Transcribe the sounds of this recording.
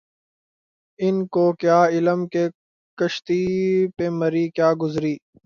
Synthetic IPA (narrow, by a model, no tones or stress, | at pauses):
ɪnkoːkjaːɪləmke | kɐʃt̪ipeːmɐɾiːkjaːɡʊzɾiː